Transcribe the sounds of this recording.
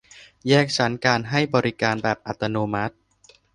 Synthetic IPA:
jɛː˥˩k̚t͡ɕʰa˩˦˥nkaː˧nɦa˥˩jbɔː˧ɾi˦˥kaː˧nbɛː˨˩p̚ʔa˨˩t̪ːa˧noː˧ma˦˥t̪̚

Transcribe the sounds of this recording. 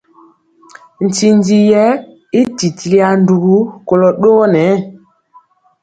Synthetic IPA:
n̩˨ti˨n˦di˨jɛ˦ | i˦ti˨ti˨li˦a˨n̩˦du˨ɡu˦ko˨lɔ˨ɗo˦nɛ˨˦

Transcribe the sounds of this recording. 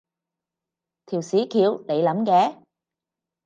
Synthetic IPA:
t̪ʰi˨˩wsi˨˦kʰi˧˨əwle˨˦jlɐ˨˥˦mkɛ˨˦

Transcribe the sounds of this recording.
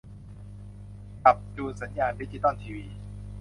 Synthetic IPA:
ka˨˩p̚t͡ɕuː˧sa˩˦njaː˧ndi˦˥t͡ɕd͡ʑi˧˩t̪ɔ˥˩nt̪ʰiː˧wiː˧

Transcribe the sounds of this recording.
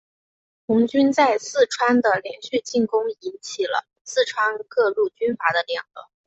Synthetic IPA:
xʊ˧˥ŋt͡ɕy˥nt͡sa˥˧ɪsɹ̩˥˩ʈ͡ʂʰwa˥nd̪ə˨ljɛ˧˥nɕy˥˧t͡ɕi˥˩nkʊ˥ŋi˧˥nt͡ɕʰi˨˩lə̰˦ | sɹ̩˥˩ʈ͡ʂʰwa˥ŋkɤ˥˧lu˥˩t͡ɕy˥nfa˧˥d̪ə˧ljɑ˨˩ŋlə˧˥˦

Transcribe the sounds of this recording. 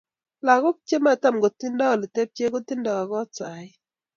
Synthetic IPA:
la˨ɣʊ˦k̚t͡ʃe˦ma˦˨ta˦mɡo˨t̪i˦nda˦˨lɪ˨te˦p̚t͡ʃe˦ɡo˦t̪i˦nda˨a˨ɡɔ˦t͡sa˨ɪ˦

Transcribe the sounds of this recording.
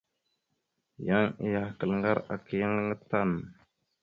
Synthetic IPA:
ja˦ŋḭ˨ja˨hkə˨lŋɡa˦ɾa˨ki˨jə˦ŋ˦ŋə˦ta˦n

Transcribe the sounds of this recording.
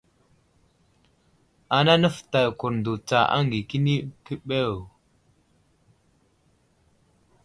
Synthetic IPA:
a˨na˦nə˦fta˨ku˨ɾn˨du˨t͡sa˨ʔa̰˦ŋ˨ɡi˨ki˦ni˦kə˦ɓə˦˨w

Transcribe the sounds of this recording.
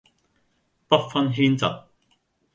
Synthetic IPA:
pɐ˥t̚fɐ˥nɦiː˥nt͡sɐ̰˨t̚

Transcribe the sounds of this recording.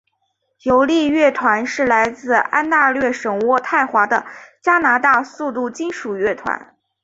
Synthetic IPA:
jo˧˥ʊli˥˧ɥɛ˥˩t̪ʰwa˧˥nʂɻ̩˥˩la˧˥ɪt͡sɹ̩˥˧a˥nt̪a˥˧lɥɛ˥˩ʂɤ˨˩ŋwɔ˥˧t̪ʰa˥˩ɪxwa˧˥d̪ə˧t͡ɕja˥na˧˥t̪a˥˧su˥˧t̪u˥˩t͡ɕi˥nʂu˨˩ɥɛ˥˩t̪ʰwa̰˧˥n

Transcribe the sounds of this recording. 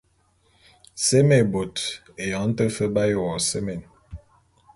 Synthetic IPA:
se˦me˨bo˨t | e˨jɔ˨˦n̩˦tə˦fə˦ba˦jo˨wɔ˨se˦me˨n

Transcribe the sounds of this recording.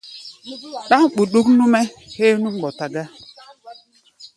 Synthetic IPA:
ɗa˦ŋ̩˦˨k͡pu˨ɗu˦knu˦me˦he˦nu˦ŋ͡m̩˦ɡ͡bɔ˨ta˨ɡa˦

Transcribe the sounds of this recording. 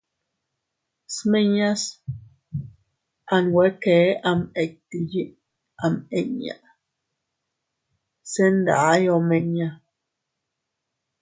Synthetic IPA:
sme˦ɲa˦s | a˧nwe˨˦ke˨˦ʔa˧me˨k̚t̪i˧ji˦ʔ | a˧me˨ɲa̰˨ʔ | se˦nd̪a˨˦jo˧me˧ɲa˦

